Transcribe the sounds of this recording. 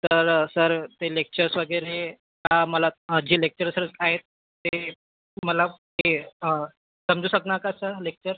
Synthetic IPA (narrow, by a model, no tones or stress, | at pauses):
t̪əɾsəɾt̪elek̚t͡ɕəɾsʋəɡəɾe | kaməlad͡ʑiːlek̚t͡ɕəɾsəɾət͡saɦet̪ː | e | məlaɦe | səmd͡zuːsəknakasəɾlek̚t͡ɕəɾ